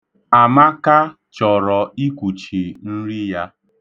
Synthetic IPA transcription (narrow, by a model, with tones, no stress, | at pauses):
a˨ma˦ka˦ | t͡ʃɔ˨ɾɔ˨i˦kʷu˨t͡ʃi˨n̩˦ɾi˦ja˦